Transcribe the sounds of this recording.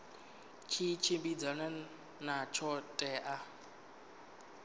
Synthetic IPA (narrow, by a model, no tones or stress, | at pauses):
t͡ʃʰit͡ʃʰembid͡zana | nat͡ʃʰɔtʼɛʔa